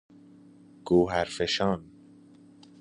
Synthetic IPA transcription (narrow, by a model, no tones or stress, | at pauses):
ɡ̥oːɦæɾfeʃɑːn